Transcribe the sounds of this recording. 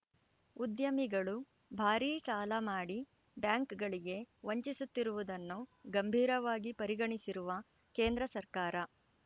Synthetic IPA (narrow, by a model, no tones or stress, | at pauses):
ud̪jɐmiɡɐɭu | bʱaːɾiːʃaːlɐmaːɽi | bjaːŋkɡɐɭiɡe̞ʋoɲt͡ʃisut̪ːiɾuʋud̪ɐnːuɡɐmbʱiːɾɐʋaːɡipɐɾiɡɐɳisiɾuʋɐ | ke̞ːnd̪ɾɐsɐɾkaːɾɐ